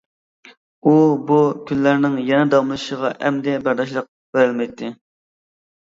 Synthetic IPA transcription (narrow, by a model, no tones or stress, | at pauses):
ubukʲʰynlæɾnɪŋjɛnɛd̪ɑmɨʃəʁɑʔɛmd̪ɛbæɾd̪ɑʃ̬lˠəq̚ | beɾɪlmɛjt̪ʰːɪ